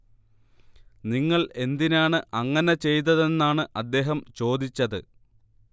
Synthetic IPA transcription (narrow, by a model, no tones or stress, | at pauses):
niŋːɐɭe̞nd̪inaːɳɨʔɐŋːɐne̞t͡ɕe̞jt̪̬ɐðe̞nːaːɳɨʔɐd̪ːe̞ːɦɐmt͡ɕo̞ːd̪it͡ɕːɐðɨ̰